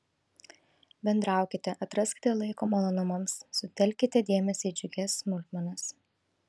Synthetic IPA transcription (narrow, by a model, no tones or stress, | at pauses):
bʲɛnd̪ɾɑˑʊkʲɪt̪ʲɛʔɐt̪ɾɐsʲkʲɪ̥t̪ʲɛlˠɐɪkoːmɐlˠɔnʊmɐmsːʊt̪ʲɛlʲkʲɪt̪ʲɛd̪ʲeːmʲɛsʲɛːd͡ʒʲʊɡʲɛsːmʊlʲt̪mɐnɐs